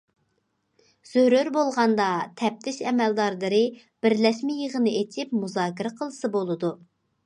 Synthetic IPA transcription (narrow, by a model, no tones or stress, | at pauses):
z̥øɾøɾbolˠʁɑnd̪ɑt̪ʰɛp̚t̪ʰɪʃɛmɛld̪ɑɾlˠɨɾɨ | b̥ɪɾlɛʃmɪjəʁənɨet͡ʃʰɪpmuzɑːkʲɪɾɛqʰəlˠɨsɨbolˠɨd̪u